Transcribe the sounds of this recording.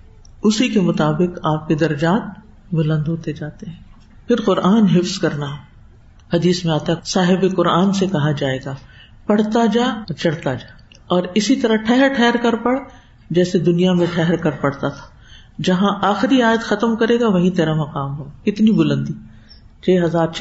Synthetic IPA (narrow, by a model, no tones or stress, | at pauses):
ʊsikemʊt̪aːbɪqaːp̚ked̪ɐɾɐd͡ʒaːt̪̚ | bʊlə̃nd̪ɦoːt̪ed͡ʒaːt̪eɦɛ̃ː | pʰɪɾqʊɾʔaːnɦɪfskɐɾna | hɐd̪iːsmẽaːt̪aɦsaːɦɪbeqʊɾaːnsekɐɦad͡ʒaːeːɡaː | pɐɽ̤t̪ad͡ʒaːt͡ʃɐɽt̪ad͡ʒaː | ɔːɾɪsit̪ɐɾaʈʰɛɦɛɾʈʰɛɦɾkɐɾpɐɽ | d͡ʒɛːsed̪ʊnijamẽʈʰɛɦɾkɐɾpɐɽ̤t̪at̪ʰḁ | d͡ʒɐɦãʔaːxɾiaːjət̪xɐt̪əmkɐɾeːɡaʋɐɦĩt̪eːɾamɐqaːmɦoːkɪt̪nibʊlə̃nd̪iː | t͡ʃʰeːɦɐzaːɾt͡ʃʰ